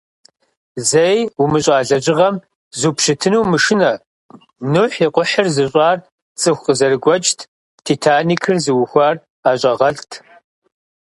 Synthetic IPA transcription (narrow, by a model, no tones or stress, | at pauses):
zejumɨɕʼaːɮɐʑɪʁɐm | zupʃɨtʰɨnuːmɨʂɨnɐ | nuħiqʷʊħərzɨɕʼɑːr | t͡sʼɨxʷqəzɐrɨɡʷɔt͡ʃʼtʰ | tʰitʰaːniːkʰɨrzɨwʊxʷaːr | aːɕʷʼɐʁɐɬtʰ